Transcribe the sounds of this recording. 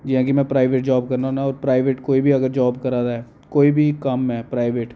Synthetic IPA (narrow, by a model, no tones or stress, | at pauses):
d͡ʒɪɦãːkimɛ̃ːpɾaːɪʋeːʈd͡ʒaːbkəɾnaũnaɔːɾpɾaːɪʋeːʈkoːibʱiɐɡəɾd͡ʒaːbkəɾaːd̪aɦɛː | koːibʱikɐmɛːpɾaːɪʋeːʈ